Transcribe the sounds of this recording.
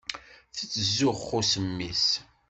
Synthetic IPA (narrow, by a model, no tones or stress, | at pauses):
θit͡sːəzːʊʁχʊsəmːis